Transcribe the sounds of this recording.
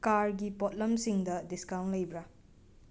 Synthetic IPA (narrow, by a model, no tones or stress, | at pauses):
kaɾɡipot̚lɐmsiŋdɐdiskawntlɐjbɾa